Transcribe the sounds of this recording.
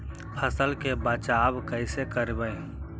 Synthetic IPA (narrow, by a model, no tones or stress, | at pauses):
pʰəsəlkebaːt͡ʃaːbkəɪsekəɾbəe